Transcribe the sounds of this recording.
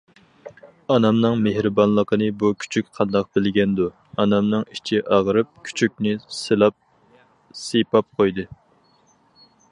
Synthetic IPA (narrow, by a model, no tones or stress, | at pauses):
ɑnɑmnɨŋmehɾɨbɑnlˠəqənɨbukʲʰy̥t͡ʃʰyk̚ʲqʰɑnd̪ɑq̚bɪlɡʲɛnd̪u | ɑnɑmnɨŋit͡ʃʰiʔɑʁəɾɨp̚kʲʰy̥t͡ʃʰyk̚ʲnɪsɨlˠɑp̚ | sepɑp̚qʰojd̪ɨ